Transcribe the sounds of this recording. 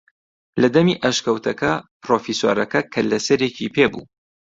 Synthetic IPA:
lɐd̪ɐmiʔɐʃkɐwt̪ʰɐkɐpɾofiso̰ːɾɐkɐkʰɐlɐsɐɾecʰipʰeːbṵ

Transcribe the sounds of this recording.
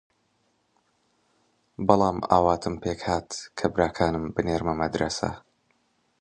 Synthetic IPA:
bɑlˠɑːma̰ːwaːt̪ʰɨmpʰeːkhaːt̪kʰɐbɾaːkʰaːnɨmbɨneːɾmɐmɐd̪ɾɐsɐ̰

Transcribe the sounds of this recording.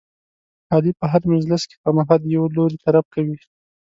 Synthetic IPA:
hɑlipəɦaɾmɪzlaske̥pəmaɦɑljawloɾit̪aɾab̚kawi

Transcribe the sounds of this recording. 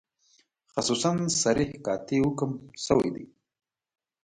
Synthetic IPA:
xasusansaɾihkɑt̪ewukəmsəwa̰jd̪ḭ

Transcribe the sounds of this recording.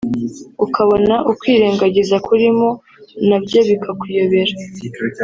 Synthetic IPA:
ukaβo̞naʔukwiːɾeːŋɡaɟizakuɾimo̞ | nabɟoːβikakujo̞βe̞ɾa

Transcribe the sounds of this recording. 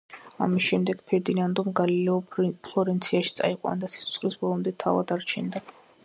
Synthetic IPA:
a̰misʃɛmd̪ɛɡ̥pʰɛɾd̪inand̪ɔmɡalilɛɔpʰlˠɔɾɛnt̪sʰiaʃit̪sʼa̰iqʼwa̰nd̪asi̥sʰu̥t̪sʰχʼlisbɔlˠɔmd̪ɛt̪ʰava̰d̪aɾt͡ʃʰɛ̰nd̪a

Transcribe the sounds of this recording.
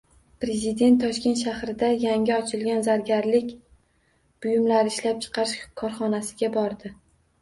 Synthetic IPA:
pɾe̞zɪd̪e̞nt̪ʰːɒʃkʲe̞nt̪ʃahɾɪd̪ajaŋʲɪɒt͡ʃʰɪlɡʲanzaɾɡʲaɾlɪkʲ | b̥ʊjʊmlaɾɪɪʃlap̚t͡ʃʰɨ̥qʰɑɾɪʃkʰɒɾχɒnasɪɡʲabɒɾd̪ɪ

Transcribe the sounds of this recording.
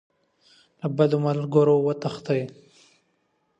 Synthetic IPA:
labad̪omalɡoɾowət̪axt̪aj

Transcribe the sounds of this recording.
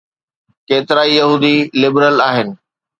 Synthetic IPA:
keːt̪ɪɾaːijɐɦuːd̪ilɪbɾəlaːɦɪnɪ̆

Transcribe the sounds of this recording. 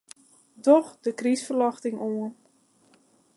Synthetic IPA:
dɔxdəkrisfərlɑxtɪŋuən

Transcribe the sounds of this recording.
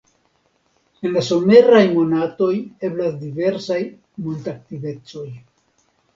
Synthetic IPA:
e̞nlaso̞me̞ɾajmo̞nato̞je̞blasdive̞ɾsaj | montak̚tive̞t͡so̞j

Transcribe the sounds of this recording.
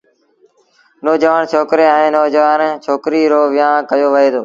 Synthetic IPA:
noːd͡ʒəʋaːnt͡ʃʰoːkɾeːɛ̃ːnoːd͡ʒəʋaːnt͡ʃʰoːkɾiːɾoːʋɪjãːkəjoːʋəɦeːd̪oː

